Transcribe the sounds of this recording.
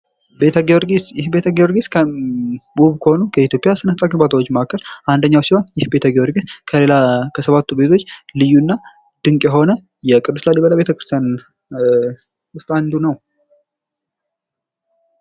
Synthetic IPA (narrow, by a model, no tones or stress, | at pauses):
bet̪ʰəɡwɾsɪbet̪ʰəɡewɾɡiskʰəbuβkʰəho̞nukʰəit̪jo̞pʼijasɨnənsʼaɡɨnbat̪ʰawot͡ʃːməakːəlʔand̪əɲːawsiho̞njɪhbe̞t̪ʰəɡewɔɾɡiskʰəle̞lakʰəsəβat̪ːube̞t̪ʰo̞t͡ʃːlɨjːuɨnːa | d̪̥ɨŋkʼjɛɦo̞nə | jɛkʼɨd̪ːuslalːibələβe̞t̪ʰəkɾɨ̥st̪jan | wʊst̪ʼand̪unəw